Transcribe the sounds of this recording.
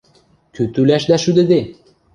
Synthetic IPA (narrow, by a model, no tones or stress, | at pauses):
køt̪ylæʃlæʃyd̪ɘ̆d̪e